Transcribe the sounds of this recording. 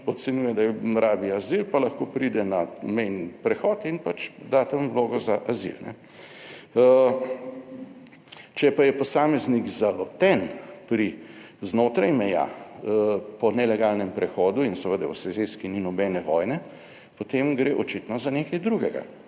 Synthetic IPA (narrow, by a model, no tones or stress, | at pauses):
ɔt̪sɛnjuːjɛd̪ajɛmɾaːbiazilpalɐxkoːpɾid̪ɛnamɛjnipɾɛxɔːt̪inpat͡ʃd̪at̪amwloːɡɔzaʔazḭlnɛ̰ | t͡ʃɛpajɛpɔsaːmɛzniɡzalɔt̪ɛnpɾi | znoːt̪ɾajmɛja̰ | pɔnɛlɛɡaːlnɛmpɾɛxɔːd̪uinsɛʋəd̪a̰wsɛzeskininɔbɛːnɛʋɔjnɛ | pot̪emɡɾeːʔɔt͡ʃit̪nɔzanekajd̪ɾuɡɛɡa̰